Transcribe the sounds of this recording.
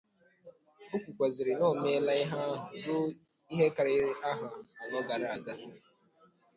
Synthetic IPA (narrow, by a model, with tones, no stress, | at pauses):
bʊ˦kʷu˨kʷa˨zɪ˨ɾɪ˨no˦˨me˦la˦i˦ɦa˦ɦʊ˨ɡʊ˦ | i˦ɦe˦ka˨ɾa˨ɪ˦ɾɪ˦ʔa˦ɦʊ˨a˨a˨nɔ˦ɡa˨ɾa˨a˨ɡa˦